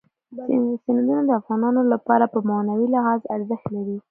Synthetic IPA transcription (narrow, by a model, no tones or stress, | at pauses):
sɪnad̪unad̪əafɣɑnɑnolapɑɾapəmawnawilɪhɑzaɾzəxt̪laɾi